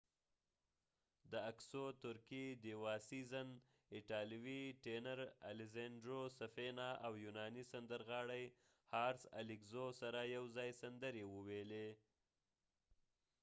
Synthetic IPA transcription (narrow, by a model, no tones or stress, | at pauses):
d̪əaksot̪ʊɾkid̪ewɑsizan | ɪʈɑlwiʈenaɾa̰lɪzeɳɖɾosafenɑʔawjunɑnisand̪əɾɣɑɽaj | hɑɾsa̰lɪkzosaɾajawzɑjsand̪əɾewəwele